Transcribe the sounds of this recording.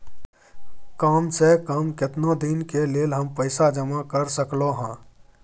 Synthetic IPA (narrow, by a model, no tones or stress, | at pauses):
kaːmsekəmkɪt̪nod̪inkeleːlɦəmpəɪsad͡ʒəmakəɾsəkloɦə̃ː